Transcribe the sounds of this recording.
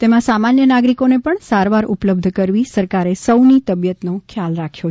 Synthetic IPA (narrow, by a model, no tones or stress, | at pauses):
t̪emãsamanjənaɡɾikonepəɳsaɾʋaɾʊpləb̚d̪ʱkəɾʋisəɾkaɾesəwnit̪əbjət̪nokʰjalɾakʰjo